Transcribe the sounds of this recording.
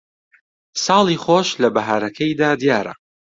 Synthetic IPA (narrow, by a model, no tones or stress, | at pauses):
sɑːlˠiːχoːʃlɐbɐɦaːɾɐkʰɐjd̪aːd̪ijaːɾɐ̰